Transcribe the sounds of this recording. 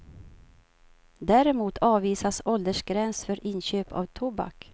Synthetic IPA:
d̪æːɾɛmuːt̪ʰɑːviːsasɔld̪əʂɡɾɛnsfœɾʔɪnɕøːpʰa̰vt̪ʰʊba̰k

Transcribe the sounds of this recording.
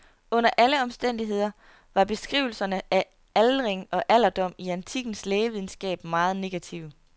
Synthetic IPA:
ɔ̽n̰ɐʔæləɒ̽msd̥en̰d̥iɦe̝ð̞̰ˠɐ | ʋɑ̈b̥e̝sɡ̥ʁiʊ̰l̩sɐnəʔæ | ælʁeŋɒ̽ʔæl̰ɐd̥ɒ̽m̰iænt͡sʰiɡ̥n̩sleːʋið̞ˠn̩sɡ̥ɛ̰ːb̥mɑ̈ːð̞̩ˠne̝ɡ̥æt͡sʰiʊ̰

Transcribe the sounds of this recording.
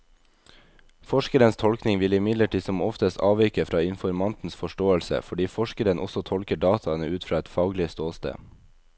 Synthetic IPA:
fɔʃkəɾənst̪ʰɔlknɪŋʋɪlɪmɪd̪ləʈʰiːsɔmɔft̪əst̪ɑ̰ːʋiːkəfɾɑːɪnfɔɾmɑnt̪n̩sfɔʃʈoːəlsə̰fɔɖiːfɔʃkəɾənʔɔ̰sɔt̪ʰɔlkəɖɑːt̪ʰɑənəʔʉːt̪fɾɑːɛt̪fɑːɡlɪəst̪oːst̪ḛː

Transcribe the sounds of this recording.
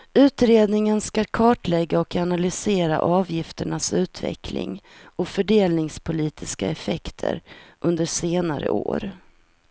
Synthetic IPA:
ʉ̟ːt̪ɾeːd̪nɪŋənskaɾkʰɑːʈlɛɡːaɔkʰanalʏseːɾa̰ʔɑːvjɪft̪əɳasʉ̟ːt̪ʰvɛ̰kʰlɪ̰ŋɔfœɖeːlnɪŋspʰʊliːt̪ʰɪskaɛfɛkt̪ʰə̰ɾʔɵnd̪əʂeːnaɾə̰ʔo̰ːɾ

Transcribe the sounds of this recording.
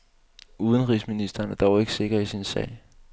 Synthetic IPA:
uːð̞ˠənʁiːsminisd̥ɐːnæɐd̥ɒʊe̝ɡ̥ə̥se̝ɡ̥ɐisinsɛ̰ɪ̰

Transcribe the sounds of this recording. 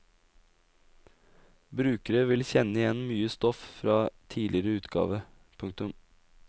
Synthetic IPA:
bɾʉːkəɾəʋɪlçɛnəɪjɛnmyːəst̪ɔffɾɑːt̪ʰiːlɪɾəʉːt̪ɡɑ̰ːʋə | pʰʉŋk̚t̪ʉm

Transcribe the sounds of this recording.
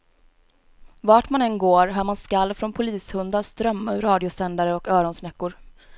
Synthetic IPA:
vaːʈmanɛnɡoːɾɦœːmanskalːfɾɔnpʰʊliːshɵnd̪ast̪ɾœmːaʉɾɑːd̪ɪʊsɛnd̪aɾəɔkœːɾɔnsnɛkːʊɾ

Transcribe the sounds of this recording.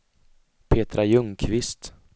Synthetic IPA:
pʰeːt̪ɾajɵŋkʰvɪst̪

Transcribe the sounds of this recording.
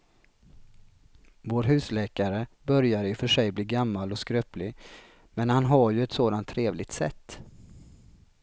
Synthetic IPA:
voːɾɦʉ̟ːslɛːkaɾəbœɾjaɪfœʂɛjbliːɡamːalɔskɾøːplɪ | mɛnhanɦaɾjɵɛt̪soːd̪ant̪ʰːɾeːvlɪɡ̚t̪sɛ̰t̪ː

